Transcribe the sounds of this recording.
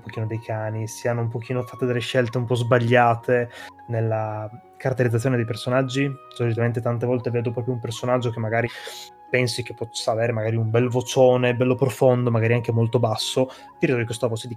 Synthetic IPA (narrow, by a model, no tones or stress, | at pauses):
umpok̟iːnod̪ejkʰaːnisianːoump̬ok̟iːnofat̪ːed̪elːeʃɛlt̪eumpɔzbaʎːaːt̪e | nelːa | kaɾat̪ːeɾid̪zat̪ːjoned̪ejpersonad͡ʒːi | solit̪ament̪et̪ant̪evɔlt̪eveːd̪opɾɔːpɾjoumpersonad͡ʒːok̟emːaɡaːɾi | pɛnsik̟epːɔsːaveːɾemaɡaːɾiumbɛlvot͡ʃoːnebɛlːopɾofond̪omaɡaːɾiaŋkemolt̪obasːo | d̪iɾit̪ːuoɾikest̪avɔːt͡ʃed̪i